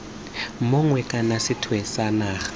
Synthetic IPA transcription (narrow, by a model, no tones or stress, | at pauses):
moŋwɛkʼanasɪtʰwɛsanaːχḁ